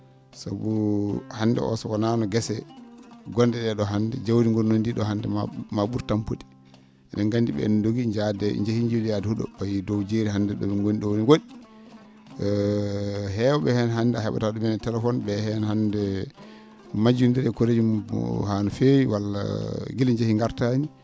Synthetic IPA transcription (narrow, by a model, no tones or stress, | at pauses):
sabuhandɛ̰ʔɔ̰sɔwananɔɡɛsɛ | ɡɔndɛɗɛɗɔɦandɛd͡ʒawdiŋɡɔnnondiɗɔɦandɛmaɓuɾtampudi̥ | ʔɛnɛŋɡandiɓɛ̰nndoɡiɲd͡ʒadɛḭɲd͡ʒahiɲd͡ʒulijadɛhuɗɔ̰ɓajdɔwd͡ʒeɾihandɛɗɔɓɛŋɡoniɗɔwoniŋɡoɗi | ɦɛwɔɓɛhɛnɦanːdɛahɛɓa̰taɗɔmɛnɛtɛlɛfɔnɓɛhɛnhandɛ | mad͡ʒundiɾɛkoɾed͡ʒumhanɔfejwalːa̰ɡilɲd͡ʒahiŋɡaɾtaɲi